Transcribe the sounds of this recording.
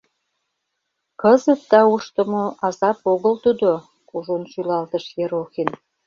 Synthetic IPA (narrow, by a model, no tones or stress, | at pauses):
kəzət̪̚d̪ɑuʃt̪ə̆moʔɑzɑpoɣəlt̪ud̪o | kuʒonʃylɑlt̪ə̆ʃjeɾoxin